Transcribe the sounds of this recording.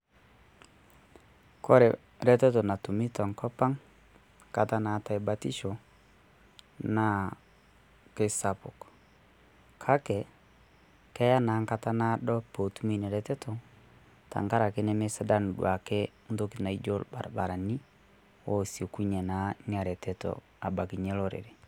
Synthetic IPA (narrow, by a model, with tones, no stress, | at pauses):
kɔ˦ɾɛ˨ | ɾɛ˦tɛ˦to˨na˨tu˨mi˦ta˨ŋkɔ˦pa˦ŋ | ka˨ta˦na˨˦ta˨jba˦tḭ˦ʃo˨ | na˦ | ke˦sa˨po˨k | kʰa˦kɛ˨ | kɛ˦ja˦na˨˦ŋka˦ta˦na˦dɔ˦po˨tu˦mi˦˨nɛ˨ɾɛ˨˦tɛ˦tɔ˨ | ta̰˨ŋka˦ɾa˨ke˦nɛ˦me˦sa˦da˦n˨dwa˨ke˦ | n˦to˦ki˨na˨i˦d͡ʒo˦lba˨ɾa˨ba˨ɾa˨ni˦ | wo˦si˨ku˦ɲɛ˨na˨˦ŋ˦a˨ɾɛ˨tɛ˦tɔ̰˨ | a˨ba˨ki˨ɲɛ˦lɔ˦ɾḛ˨ɾe˨